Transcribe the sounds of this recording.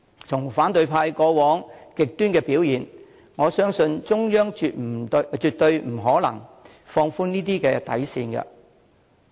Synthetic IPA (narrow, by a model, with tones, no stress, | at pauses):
t͡sʰʊ˨˩ŋfaː˨˥nt̪ɵ˧ɥpʰaː˧jkɔː˧wɔː˨˥ŋkɪ˨k̚t̪yː˥nkɛː˧piː˨˥wjiː˨˩n | ŋɔː˨˧sœː˥ŋsɵ˧nt͡sʊ˥ŋjœː˥ŋː˧tm̩˨˩t͡ʃyː˨t̚t̪ːɵ˧ɥm̩˨˩ɦɔː˨˥lɐ̰˨˩ŋ | fɔː˧ŋfuː˥niː˥t̪iː˥kɛː˧t̪ɐ̰˨˥jsiː˧nkɐ̰˧